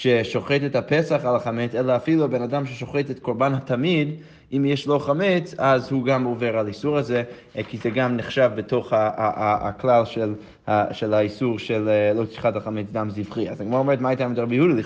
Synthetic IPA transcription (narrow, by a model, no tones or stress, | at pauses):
ʃeʃoχetethapesaχalaχamet͡selaːfiluabenadamʃeʃoχetetkoʁbanhatʰamid̪ | imjɛʃloχamet͡sazhuɡamoveʁalaisuʁaze | kizeɡamniχʃavbeto̞χha̰ | klalʃel | haʃelaisuʁʃellot̪i̥ʃχataχamet͡sɡamzivχiazaɡmoaomeet̪maat̪amidʁabijəhudili